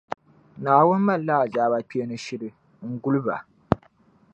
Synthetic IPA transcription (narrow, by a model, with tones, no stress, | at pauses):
naː˨wʊ˦n˦ma˦˨llaː˦˨zaː˦ba˦pi˦e˦nɨ˦ʃɪ˦ɾɨ˨ | ŋ̩˦ɡu˦lɨ˦ba̰˨